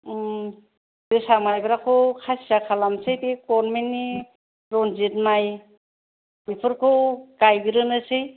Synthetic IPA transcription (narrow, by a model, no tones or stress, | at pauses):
dɯsamajbɯɾakʰɔkʰasijakʰalamsɯjbekɔɾnmenːi | ɾɔnzit̚maj | mipʰɯɾkʰɯkajɡɯɾɯnɯsɯj